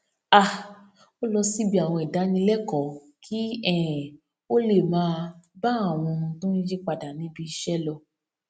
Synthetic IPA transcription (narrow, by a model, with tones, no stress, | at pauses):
a˦˨ | o˦lɔ˧si˦bi˦a˨w̃ɔ̃˧i˨da˨˦nĩ˧˦lɛ˦˨kɔ˨ | kʰi˦ɛ˦˨ | o˦le˦˨mãː˨˦ba˦a˦˨w̃ɔ̃˧ũ˧tũ˦ĩ˦d͡ʒi˦k͡pa˨da˨nĩ˨˦bi˧ʃɛ˦lɔ˧